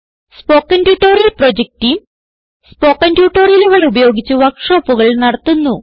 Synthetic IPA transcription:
spo̞ːkːɐndjuːʈːoːɾijɐlprod͡ʑek̚tim | spo̞ːkːɐndjuːʈːo̞ːrijɐluʋɐɭubɐjo̞ːɡit͡ɕːuʋɐkʂoːpːuɣɐɭnɐɽɐt̪ːunːu

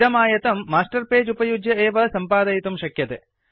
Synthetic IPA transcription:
ɾɐmaːjɐt̪ɐmːaːsʈɐrpeːd͡ʒupɐjud͡ʒjɐeːʋɐsɐmpaːd̪ɐjit̪umʃɐkjɐt̪ɨ

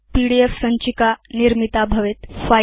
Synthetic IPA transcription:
piɽiefsəɲt͡ɕikaniɾmit̪abʱəʋet̪fa

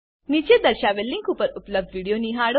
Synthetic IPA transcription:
nit͡ʃed̪əɾɕaʋelːiŋkupəɾupləb̚dʋiɽijoniɦaɽ

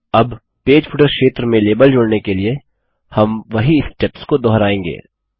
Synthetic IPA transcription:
ɐb | peːd͡ʒpʰʊʈəɾkʃeːt̪ɾəmẽleːbəld͡ʒoːɽnekelie | hɐmʋɐɦiɪsʈɛpskod̪ɔːɦɾaːẽːŋɡḛː

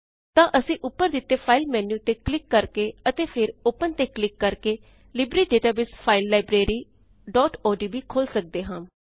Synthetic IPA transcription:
t̪ãːʔəsĩːʔʊpːəɾd̪ɪt̪ːeːpʰaːɪlmɛːnjuːt̪eːklɪkːəɾkeːət̪eːpʰɪɾoːpənt̪eːklɪkːəɾkeː | lɪbɾiːɖeːʈaːbɪspʰaːɪlːaːɪbɾeːɾiː | ɖɔːʈɔːɖiːbiːkʰoːlsək̚d̪eːɦãː

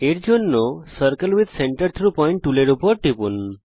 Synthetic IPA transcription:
eʈd͡ʒʱonːosəɾkəlʋid̪seɳʈəɾt̪ʰɾupɔjɳʈːuleɽupɔɾʈipun

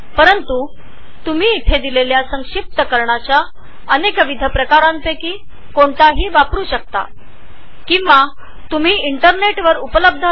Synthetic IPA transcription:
pəɾənt̪u | t̪um̤iːt̪ʰed̪ileljasəŋɕip̚t̪əkəɾɳat͡ɕja | ənekʋid̪ʱəpɾəkaɾãnt̪ekiː | koɳt̪aɦiːʋapɾuːɕək̚t̪a̰ | kĩwʋa | t̪um̤iːiɳʈəɾneʈʋəɾupələb̚d̪ʱə

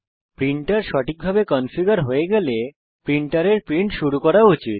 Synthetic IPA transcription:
pɾiɳʈaɾʃɔʈʰik̚bʱabekɔnfiɡaɾɦoeɡɛle | pɾiɳʈaɾeɾpɾiɳʈʃuɾukɔɾaut͡ɕit̪̚

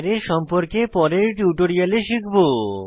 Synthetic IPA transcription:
ɾeɾʃɔmpoɾkepɔɾeɾʈjuʈoɾijaleʃikʰbo

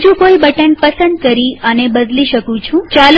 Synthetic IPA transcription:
d͡ʒũkoibəʈənpəsənd̪kəɾiənebəd̪liʃəkũt͡ʃʰũt͡ʃal

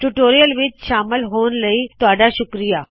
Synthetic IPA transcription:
ʈuʈoːɾijəlʋɪt͡ʃʃaːmɪlɦoːn̆ləit̪ʊʋaːɖaʃʊkɾijaː

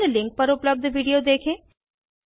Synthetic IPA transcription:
lɪ̃ŋk̚pəɾʊpləb̚d̪ʋiːɖijod̪eːkʰẽː

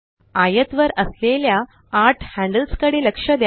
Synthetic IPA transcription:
ajət̪ʋəɾəsleljaː | ʈʰhæ̃ɳɖəlskəɽeləkʂəd̪j

